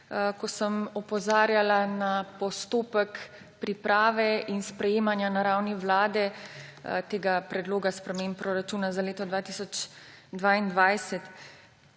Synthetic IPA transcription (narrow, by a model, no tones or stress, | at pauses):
kɔsəmɔpɔzaːɾjalanapɔst̪oːpək | pɾipɾaːʋɛinspɾɛjeːmanjanaɾawniʋlaːd̪ɛ | t̪eːɡapɾɛd̪loːɡaspɾɛmeːmppːɾɔɾat͡ʃuːnazaleːt̪ɔd̪ʋaːt̪isɔt͡ʃd̪ʋaːind̪ʋajsɛt̪